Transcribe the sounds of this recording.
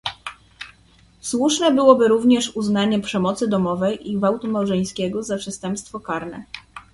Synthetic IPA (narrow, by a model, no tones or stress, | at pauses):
swuʂnɛbɘwɔbɘɾuvɲɛʂuznaɲɛpʂɛmɔt̪sɘd̪ɔmɔvɛjʔiɡvawt̪umawʐɛj̃skʲɛɡɔzapʂɛst̪ɛmpst̪fɔkaɾnɛ̰